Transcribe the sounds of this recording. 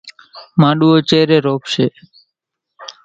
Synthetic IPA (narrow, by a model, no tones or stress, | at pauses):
mãːɗuːoːt͡ʃeːɾeːɾoːpʃeː